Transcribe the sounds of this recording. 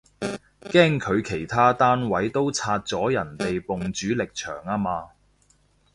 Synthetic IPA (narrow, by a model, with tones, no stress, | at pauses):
kɛː˥ŋkʰɵ˨˧ɥkʰe˨˩jt̪ʰaː˥t̪aː˥nwɐ˨˥jt̪o˥wt͡sʰaː˧t̚t͡sɔː˨˥jɐ˨˩nt̪e˨jpʊ˨ŋt͡ʃyː˨˥lɪ˨k̚t͡ʃʰœ̰ː˨˩ŋaː˥maː˧